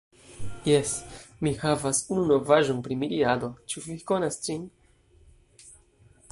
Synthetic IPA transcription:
jesmihavasununo̞vaʒonpɾimiɾiad̪o̞t͡ʃuvikonasd͡ʒin

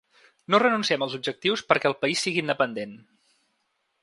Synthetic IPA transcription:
norənunsiɛməlˠzub̚d͡ʒək̚t̪iwspəɾkɛəlˠpəisːiɣiːnd̪əpənd̪en

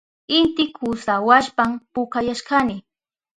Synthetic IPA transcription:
ɪnt̪ɪkʰʊsawaʃpampʊkajaʃɢanɪ

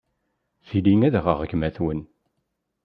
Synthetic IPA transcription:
θiliŋæðʁəʁɡmæθwən

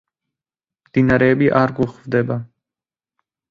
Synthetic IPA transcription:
md̪̥inaɾɛːbiʔaɾɡuχvd̪ɛba

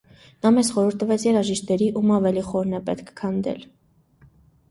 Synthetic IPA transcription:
nɑmɛsχɔɾuɾt̪ːəvɛt͡sʰjɛɾɑʒiʃt̪ɛɾiʔumɑvɛliχɔɾnɛpɛt̪kʰkʰɑnd̪ɛ̰l

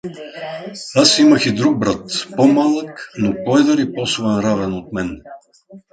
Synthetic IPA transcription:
asimɐxid̪ɾuɡ̚bɾat̪pomalˠəknopɔɛd̪əɾipɔsovɛnɾavɛnot̪̚mɛn

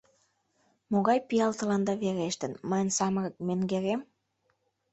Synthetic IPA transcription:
moɣɑjpijɑlt̪ə̆lɑnd̪ɑβeɾeʃt̪ə̆nmɑjənsɑməɾɤ̆k̚meŋɡeɾem

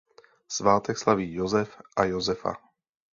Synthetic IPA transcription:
z̥ʋaːt̪ɛkslaʋijɔzɛfajɔzɛfa̰

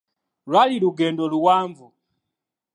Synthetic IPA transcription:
lwaliluɡɛndɔluwaːɱvu

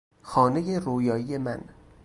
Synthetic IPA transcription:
xɒːne̞jeroːjɒːije̞mæn

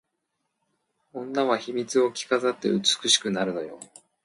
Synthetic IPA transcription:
õ̞nːaβaçimʲit͡sɨo̞kʲi̥kazat̪ːe̞̰ɯt͡sɨ̥kɯ̟ɕi̥kɯ̟naɾɯ̟d̪ajo̰

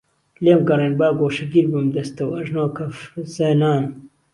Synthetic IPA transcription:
leːmɡɐɾenbaːɡoːʃɐɡiɾbɨmd̪ɐst̪ɐwɐʒnoːkɐfzeːnaːn

